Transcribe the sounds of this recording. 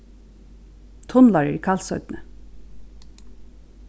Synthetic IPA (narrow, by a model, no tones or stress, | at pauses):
t̪ʰɔnlɑɹə̰kʰɑlsœʏd̪nə